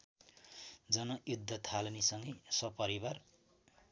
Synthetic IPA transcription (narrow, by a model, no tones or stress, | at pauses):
d͡zʌnʌjud̪ʱːʌt̪ʰalʌnisʌŋɡʌjsʌpʌɾibar